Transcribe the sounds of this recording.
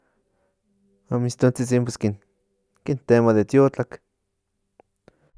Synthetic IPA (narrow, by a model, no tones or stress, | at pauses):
amist̪ont͡sit͡simp̬weskin | kint̪emaðet̪jot͡ɬak